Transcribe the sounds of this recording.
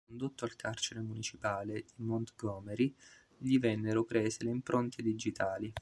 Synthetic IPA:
kond̪ot̪ːoalkʰart͡ʃeɾemunit͡ʃipaːled̪̥imont̪ɡɔːmeɾi | ʎivɛnːeɾopɾeːzeleimpɾʔont̪ʰed̪id͡ʒit̪aːli

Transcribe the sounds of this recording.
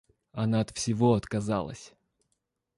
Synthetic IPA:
ɐnaɐt̪fsʲɪvoɐt̪kɐza̰lˠə̰sʲ

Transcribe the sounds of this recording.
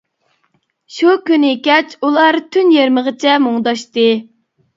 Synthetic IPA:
ʃukʲynɪkʲɛt͡ʃʰulˠɑɾt̪ʰynjeɾməʁət͡ʃʰɛmoŋd̪ɑʃt̪ɨ

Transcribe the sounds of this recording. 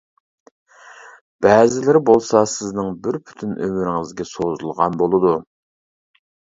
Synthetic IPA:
b̥ɛːzɪlɪɾɪbolˠsɑsɪznɪŋbɪɾpʰy̥t̪ʰynʔømyɾɪŋɪzɡʲɛsozulˠʁɑnbolˠɨd̪u

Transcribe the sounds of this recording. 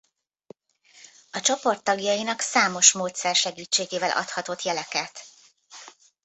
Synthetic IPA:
ɒt͡ʃopo̞rt̪ːɒɡjɒjinɒksaːmo̞ʃmoːt̪sɛrʃɛɡiːt͡ʃːeːɡeːvɛlʔɒ̰t̪hɒt̪o̞t̪jɛlɛkɛt̪

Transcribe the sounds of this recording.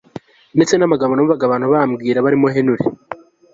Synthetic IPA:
ndet͡se̞namaɡaβonamuβaɡaβaːnhuβaːmɡiːɾaβaɾimo̞ɦenuɾe

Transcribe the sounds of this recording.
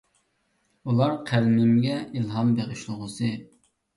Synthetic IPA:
ulˠɑɾqʰælmɪmɡʲɛilˠɦɑmbeʁɪʃlˠʊʁʊsɨ

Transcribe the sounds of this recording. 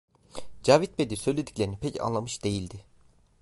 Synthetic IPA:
d͡ʒaːvit̪̚be̞d̪isø̞jlʲe̞d̪i̥clʲeɾinipʰɛca̰nlˠamɯʃd̪̥e̞jilʲd̪ɪ

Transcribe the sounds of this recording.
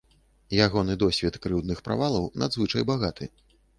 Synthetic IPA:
jaɣɔnɨd̪ɔsʲvʲɛt̪kɾɨwd̪nɨxpɾa̰valˠɐwna̰d̪zvɨt͡ʂɐjbaɣat̪ɨ

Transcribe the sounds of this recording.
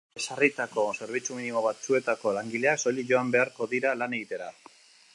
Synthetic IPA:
esarit̪ako̞se̞ɾβ̞it͡suminimo̞βat͡sue̞t̪ako̞laŋɡile̞akso̞liʝo̞ambe̞aɾko̞ðiɾalane̞ɣit̪e̞ɾa

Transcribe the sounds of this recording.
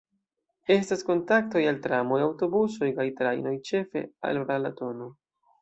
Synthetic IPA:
e̞stasko̞ntak̚to̞jaltɾamo̞jawto̞buso̞jkajtɾa̰jno̞jt͡ʃe̞fe̞̰a̰lɾalato̞no

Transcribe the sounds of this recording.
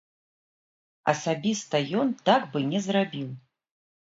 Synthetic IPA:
ɐ̰sabʲist̪ɐjɔnt̪aɡbɨnʲɛzrabʲiw

